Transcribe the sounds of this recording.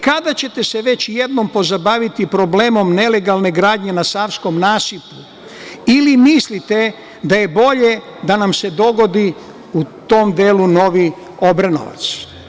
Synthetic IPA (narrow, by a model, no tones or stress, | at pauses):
kad̪at͡ɕe̞t̪e̞seʋe̞t͡ɕje̞d̪no̞mpo̞zabaʋit̪ipɾo̞ble̞ːmo̞mne̞le̞ɡalne̞ɡɾaːd̪ɲe̞nasaʋsko̞mnaːsipu | ilimislit̪e̞ | d̪aje̞bo̞ʎe̞ | d̪anamse̞d̪o̞ɡo̞d̪i | ut̪o̞md̪eːluno̞ʋi | o̞bɾano̰ʋa̰t̪s